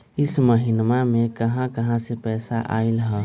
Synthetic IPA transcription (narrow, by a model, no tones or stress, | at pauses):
ɪsməɦɪnmamẽkəɦãkəɦãsepɛːsaʔa̰ːɪlɦɛ